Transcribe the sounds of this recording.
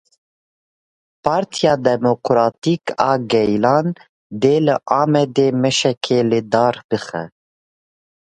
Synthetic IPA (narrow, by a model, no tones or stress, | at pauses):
pʰɑːɾt̪ʰijɑːd̪ɛmokɾɑːt̪ikɑːɡɛjlɑːn | d̪eːlɨʔɑːmɛd̪eːmɛʃɛkʰeːlɨd̪ɑːɾbɨxɛ̰